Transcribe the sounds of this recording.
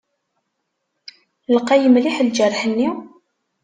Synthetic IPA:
ləqːæjəmliħld͡ʒərˤːħənːi

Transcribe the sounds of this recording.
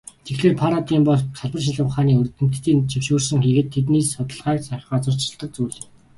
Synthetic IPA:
t̪ʰexɮeːrpʰaɾat̪iːmpɔɮsʰaɮpə̆rʃ̬ɪɮə̆wχaːniːɵrt̪ɘ̆m̥t̪ːiːnt͡ɕʰiwʃuːrsɵ̆ŋxiɣɘ̆t̪ʰːet̪̬niːssɔt̪ə̆ɮʁœːksaχɔːt͡sʊr̥t͡ɕ̆ɬt̪ə̆k̚t͡suːɮɘ̆

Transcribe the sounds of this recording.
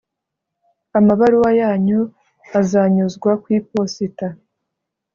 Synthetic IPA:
amaβaɾuwajaːɲu | azaɲuzɡwakwiːposita

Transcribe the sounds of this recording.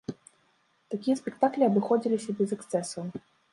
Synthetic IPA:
t̪akʲijɛspʲɛk̚t̪aklʲiɐbɨxɔd͡zʲilʲisʲɐbʲɛzɛkst̪sɛsu

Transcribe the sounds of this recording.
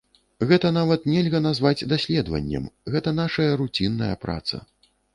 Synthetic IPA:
ɣɛt̪ɐnavɐt̪nʲɛlʲɣɐnazvad͡zʲd̪asʲlʲɛd̪vɐ̰nʲːɛ̰mɣɛt̪ɐn̪aʂɐjɐɾut͡sʲinːɐjɐpɾa̰t̪sɐ̰

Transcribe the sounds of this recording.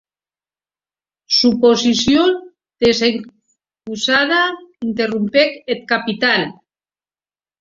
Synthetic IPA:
suposisjo | d̪̥ese | pusaðaint̪erumpeket̪̚kapit̪al

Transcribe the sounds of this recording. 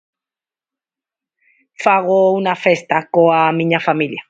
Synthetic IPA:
faɣounafest̪akoamĩɲafamilja

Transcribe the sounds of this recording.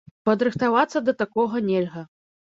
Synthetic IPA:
pɐd̪ɾɨxt̪avat̪sːɐd̪ɐt̪akɔɣɐnʲɛlʲɣɐ

